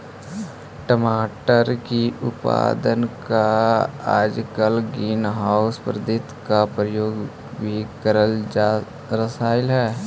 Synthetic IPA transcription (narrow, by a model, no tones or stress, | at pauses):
ʈəmaːʈəɾkiʊpa̰ːd̪ənkaa̰ːd͡ʒkəlɡiːnɦaːʊspɾd̪ɪt̪kapɾəjoːɡ | bʱikəɾəl | ɾəsaːɪlɦɛː